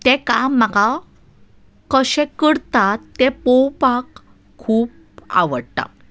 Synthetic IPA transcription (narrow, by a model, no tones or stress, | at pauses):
t̪ekamːəka | kəɕɛ̃kəɽt̪at̪ːepowpakʰː | uːp̚ | a̰ʋəɽt̪a̰